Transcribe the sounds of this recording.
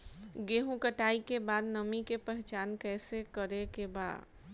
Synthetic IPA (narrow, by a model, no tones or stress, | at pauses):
ɡeːɦũkəʈaːikebaːd̪nəmikepɛɦt͡ʃaːnkɛːsekəɾekeba̰ːd̪